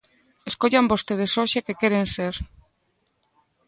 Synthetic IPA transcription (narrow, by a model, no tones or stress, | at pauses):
eskoʎambost̪eð̞esoʃekekɛɾenseɾ